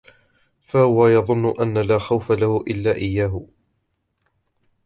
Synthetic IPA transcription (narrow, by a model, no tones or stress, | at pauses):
fahʊwajɑðˤʊnːʊʔanːalaːxawfalahʊʔɪlːaːʔɪjːaːɦʊ